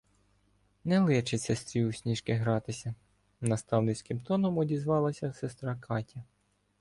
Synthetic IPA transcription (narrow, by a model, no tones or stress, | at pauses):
nɛlˠɪt͡ʃɪsɛst̪ɾʲiusʲnʲiʃkɪɦɾɑt̪ɪsʲɐ | nɐst̪ɑwnɪt͡sʲkʲɪmt̪ɔnɔmɔdʲizʋɑlˠɐsʲɐsɛst̪ɾɑkʰɑtʲɐ